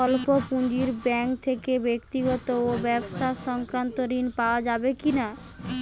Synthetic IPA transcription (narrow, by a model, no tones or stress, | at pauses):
ɔlpopũɲd͡ʑiɾbɛŋk̚t̪ʰekebekt̪iɡɔt̪oobɛbʃaʃɔŋkɾant̪oɾinpaoad͡ʑabekina